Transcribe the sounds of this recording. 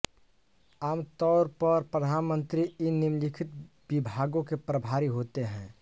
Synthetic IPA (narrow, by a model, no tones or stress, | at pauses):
aːmt̪ɔːɾpəɾpɾəd̪ʱaːnmə̃nt̪ɾiɪnːimlikʰɪt̪̚ | bibʱaɡõkepɾəbʱaːɾiɦoːt̪eɦɛ̃ː